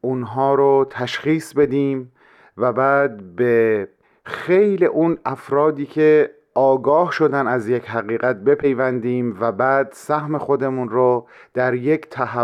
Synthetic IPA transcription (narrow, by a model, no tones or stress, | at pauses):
ʔunɦɒːɾot̪ʰæʃχiːsbe̞d̪iːm | væbæːd̪̚be | xejliʔunæfɾɒːd̪iːcʲʰe̞ | ʔɒːɡɒːhʃo̞d̪ænæzjecɦæɣiːɣæt̪̚be̞pʰe̞jvænd̪iːmvæbæːd̪sæhme̞xo̞d̪e̞munɾod̪̥æɾject̪ʰæɦæ